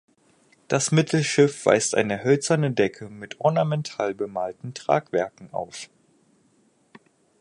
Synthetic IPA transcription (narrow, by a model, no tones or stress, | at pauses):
d̥asmɪtʰl̩ʃɪfv̥a̰ɪstʔa̰ɪnəhœlt͡sɐnədɛkʰəmɪtʰʔɔɐnamɛntʰaːlbəmaːltn̩tʁ̥a̰ːkv̥ɛɐkŋ̩ʔa̰ʊf